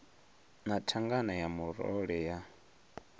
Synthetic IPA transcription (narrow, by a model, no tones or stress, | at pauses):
natʰaŋɡanajamuɾɔ̰ɺɛja